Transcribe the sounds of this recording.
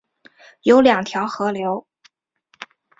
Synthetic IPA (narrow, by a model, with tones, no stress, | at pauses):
jo˧˥ʊljɑ˨˩ŋt̪ʰjɑ˧˥ʊxɤ˧˥ljo˧˥ʊ